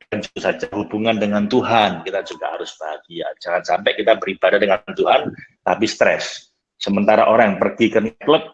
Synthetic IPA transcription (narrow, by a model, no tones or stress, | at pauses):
ad͡ʒut̪usad͡ʒaɦubuŋandəŋant̪uɦankit̪ad͡ʒuɡa̰ʔha̰ɾʊsb̥aɡ̥iad͡ʒaŋansampɛʔkit̪abəɾib̥adahdəŋant̪uɦant̪apist̪ɾɛ̰sː | səmənt̪aɾaʔoɾaŋjaŋpərɡikərnak̪ləp̚